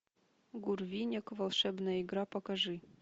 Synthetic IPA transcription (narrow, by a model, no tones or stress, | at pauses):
ɡurvʲinʲɛkvalˠʂɛbnaiɡɾapɐkaʐɨ